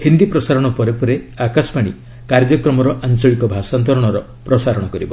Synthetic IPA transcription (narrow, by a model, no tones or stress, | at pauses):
hind̪ipɾɔsaɾɔɽ̃ɔpɔɾepɔɾe | akasɔ̥paɽ̃i | kaɾd͡ʒɔkɾɔmɔɾɔʔant͡ʃɔɭikɔbʱasant̪ɔɾɔɽ̃ɔɾɔ | pɾɔsaɾɔɽ̃ɔkɔɾibɔ